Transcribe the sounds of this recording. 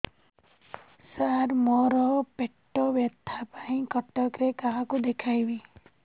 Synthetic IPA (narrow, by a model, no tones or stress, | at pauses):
saɾmɔɾɔpeʈːɔbjat̪ʰːapaĩkɔʈɔkɾekaɦãkud̪ekʰajbi